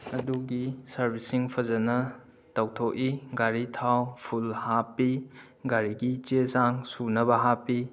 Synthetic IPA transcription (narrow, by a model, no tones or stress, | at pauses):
ɐduɡisɐɾbʱisiŋpʰɐzɐnɐ | tɐwtʰokiɡaɾitʰawpʰulhapːi | ɡaɾiɡit͡ʃezaŋsunɐbɐɦapi